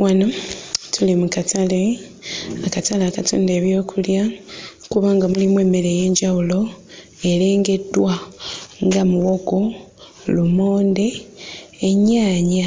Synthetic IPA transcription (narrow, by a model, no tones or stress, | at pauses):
wʔanotʰulimukatale̞ | akatalaːkato̰ːnde̞ːβjo̞ːkulja | kuβaːŋɡamulimwe̞ːme̞ɾe̞je̞ːɲɟawulo̞ | e̞le̞ːŋɡe̞dwaŋɡamuwo̞ɡo̞ | lumo̞ːnde̞ː | ɲːaːɲa